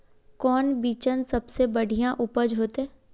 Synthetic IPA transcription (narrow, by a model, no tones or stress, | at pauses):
kɔːnbiːt͡ʃənsɐbsebɐɽ̤ʱijãʔʊpəd͡ʒɦoːt̪ɛː